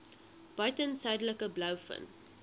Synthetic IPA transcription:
b̥ɐɥtənsœɥdələkəblɐwfə̰n

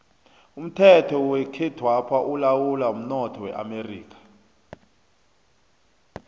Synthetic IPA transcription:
um̩tʰɛtʰɔwɛkʰɛd̥ʱwapʰaʔulawulaum̩nɔtʰɔwɛ̰ʔa̰merḭːkʰḁ

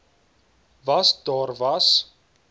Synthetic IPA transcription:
vɐsdɑːrvɐs

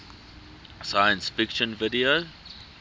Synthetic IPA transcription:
sajə̃nsfɪkʃə̃nvidio

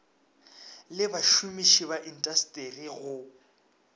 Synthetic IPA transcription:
lɪbaʃumiʃiβaʔin̩tʼastʼeriɣʊ

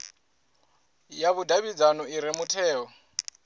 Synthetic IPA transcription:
jaβudʱaβid͡zanɔiɾɛmutʰɛːɔ

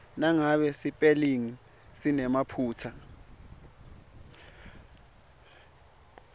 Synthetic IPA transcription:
naŋaɓɛsipʼɛliŋi | sinɛmapʰuːtʰa

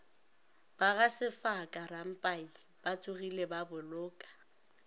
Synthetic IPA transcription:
b̥aɣasɪfakʼaram̩pʼai | b̥at͡sʼʊɣilebabʊlʊːkʼḁ

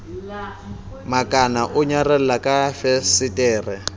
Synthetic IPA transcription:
makʼanaʔʊɲarɛl̩lakʼafɛsɪtʼɛːrɛ

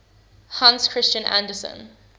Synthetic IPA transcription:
hãnskʰɹ̥ɪst͡ʃə̃nʔæ̰̃ndəsə̰̃n

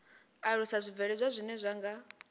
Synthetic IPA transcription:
aɺusazʷivɛɺɛzʷazʷinɛzʷaŋɡa

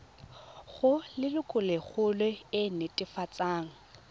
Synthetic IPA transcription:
ɣʊlɪlʊkʼʊleɣʊlweɪnɪtʼɪfat͡sʼaːŋ̩

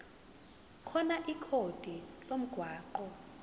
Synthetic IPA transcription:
kʰɔnaʔikʰod̥ʱilom̩ɡ̥ʱwaːǃɔ

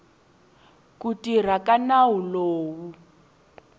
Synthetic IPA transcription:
kutir̤akanawuloːwu

